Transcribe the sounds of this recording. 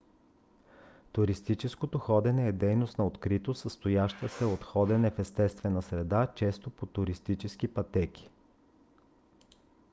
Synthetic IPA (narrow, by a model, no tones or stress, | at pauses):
t̪ʊɾist̪it͡ʃɛskot̪oxɔd̪ɛnɛːd̪ɛjnost̪nɐot̪kɾit̪osəst̪ojaʃt̪əsɛot̪xɔd̪ɛnɛfɛst̪ɛst̪vɛnəsɾɛd̪at͡ʃɛst̪opot̪ʊɾist̪it͡ʃɛskipɐt̪ɛkʲi̥